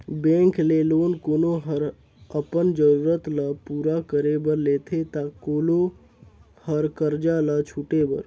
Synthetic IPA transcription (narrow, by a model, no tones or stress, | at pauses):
bẽːŋkleloːnkoːnoɦəɾ | əpənd͡ʒəɾuːɾət̪lapuːɾakəɾebəɾleːt̪ʰet̪akoːlo | həɾkəɾd͡ʒalat͡ʃʰuʈebə̰ɾ